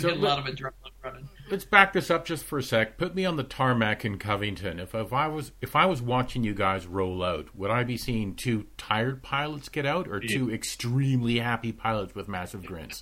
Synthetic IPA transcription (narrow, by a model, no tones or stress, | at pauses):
soʊɔɾʌvɨdɹɛnʌ̃nlɨtsb̥æk̚ðɨsʌp̚d̥ʒ̥ʌstfə˞sɛk̚pʰʊt̚miə̃nðɨtʰɑɹmækɨ̃nkʰʌvɪ̃ŋtʰɨ̃nɨffaɪwʌzɨfaɪwʌzwɑt͡ʃɪ̃ŋjɨɡaɪzɹoʊlˠaʊt̚wəɾaɪbisĩntʰʉtʰaɪə˞d̚pʰaɪlˠətsɡ̥ɛɾaʊɾə˞tʰʉɨkstɹ̥ĩmlihæpipʰaɪlˠətswɨðmæsɨvɡɹɪ̰̃nts